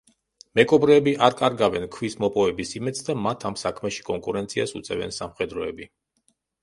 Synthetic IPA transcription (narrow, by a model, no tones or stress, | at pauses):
mɛkʼɔbɾɛːbiʔaɾkʼaɾɡavɛnkʰwismɔpʼɔvɛbisimɛd̪sʰd̪amat̪ʰamsakʰmɛʃi̥kʼɔŋkʼuɾɛnt̪sʰiasut̪sʼɛvɛ̰nsamχɛd̪ɾɔɛbi